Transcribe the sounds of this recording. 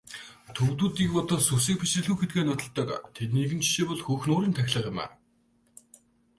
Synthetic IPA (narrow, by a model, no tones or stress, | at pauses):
t̪ʰɵɣt̪uːt̪ikpɔt̪ɔ̆susĭːk̚pʰit͡ɕɘ̆ɮɣuːxet̪̚ɡeːnʊt̪ə̆ɮt̪ə̆kt̪ʰet̪niɣɘ̆nt͡ɕʰi̥ʃeːpɔɮxɵːxnʊːɾiːnt̪ʰæxʲɮə̆qjɪ̆mæ̰ː